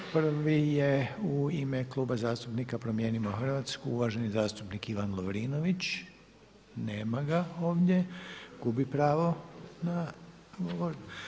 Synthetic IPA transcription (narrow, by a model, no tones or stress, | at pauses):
pr̩ʋijeuimeklˠuːbazaːst̪upnikapɾomje̞ːnimoxr̩ʋaːt̪skuuʋaʒe̞nizaːst̪upnikiʋanlˠoʋɾiːnoʋit͡ɕ | neːmaɡaoːʋdje̞ɡ̥ubipɾaːʋo̞na | ɡoʋoɾ